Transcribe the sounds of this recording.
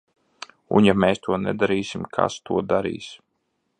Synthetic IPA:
ṵnjameːst̪ʰuɔnɛd̪aɾiːsimkʰa̰st̪uɔd̪aɾḭːs

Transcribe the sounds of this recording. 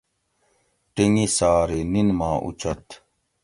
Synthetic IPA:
ʈiŋisaːɾeninmãːʔṵt͡ɕʰɐt̪

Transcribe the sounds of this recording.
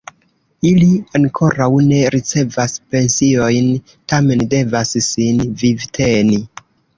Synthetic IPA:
iliaŋkʰo̞ɾawne̞ɾʔit͡se̞vaspe̞nsio̞jn | tame̞nde̞vassinvivtʰe̞ni

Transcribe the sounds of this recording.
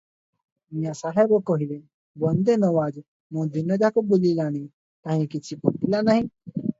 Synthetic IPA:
mĩjãsaɦebokoɦile | bɐnd̪enɔwaːd͡ʒ | mõd̪inɐd͡ʒakobulilaːni | t̪ãɦĩkɪt͡ʃʰipopilanaɦĩ

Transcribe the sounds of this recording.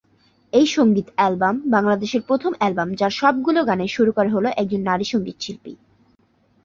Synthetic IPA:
ejʃoŋɡit̪ɛlbambaŋlad̪eʃeɾpɾot̪ʰomɛlbamd͡ʑaɾʃɔb̚ɡuloɡaneʃuɾukoɾeɦoloʔɛk̚d͡ʑonːaɾiʃoŋɡit̪ʃilpḭ

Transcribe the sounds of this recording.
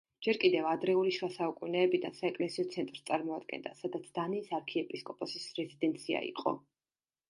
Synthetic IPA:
d͡ʒ̥ɛɾkʼid̪ɛvad̪ɾɛuliʃvasaukʼunɛːbid̪a̰nsaɛkʼlɛsiɔt̪sʰɛnt̪ʼɾst̪sʼaɾmɔad̪̚ɡɛ̰nd̪a̰sad̪at̪sʰd̪̥aniːsaɾkʰiɛpʼiskʼɔpʼɔsisɾɛzid̪ɛnt̪sʰia̰ḭqʼɔ̰

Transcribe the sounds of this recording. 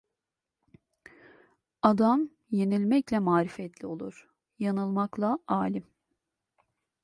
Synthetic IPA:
ad̪am | je̞nilʲmɛclʲɛmaːɾifɛt̪ʰlʲio̞lˠuɾ̥ | janɯlˠmaklˠaʔaːlʲim

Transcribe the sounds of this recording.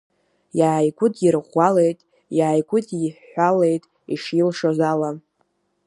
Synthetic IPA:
jaːjɡʷʊdjirʁʷalejtʼ | jaːjɡʷʼʊdiħħːʷale̞jtʼ | ḭʂilʂozala

